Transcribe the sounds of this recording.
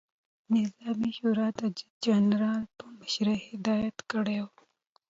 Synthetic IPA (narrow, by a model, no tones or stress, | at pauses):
nɪzɑmiʃuɾɑd̪əd͡ʒɪd͡ʒanɾɑlpəməʃɾehɪd̪ɑjat̪kəɽew